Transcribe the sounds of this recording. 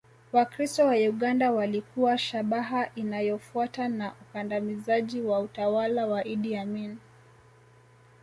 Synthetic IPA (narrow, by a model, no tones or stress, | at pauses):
wakɾistɔwauɠandawalikuwaʃaɓaɦaʔinajɔfuatanaʔukandamizaʄiwautawalawaʔiɗiamin